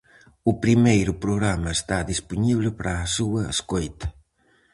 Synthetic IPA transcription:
upɾimejɾʊpɾoɣɾamɐest̪aðispuɲiβlɪpɾʔaːsuɐḛskojt̪ɐ̥

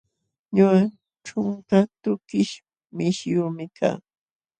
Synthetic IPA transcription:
ɲʊɢa | ʈ͡ʂʊŋkat̪ʊkɪʃ | mɪʃjʊɾmɪkʰa̰ː

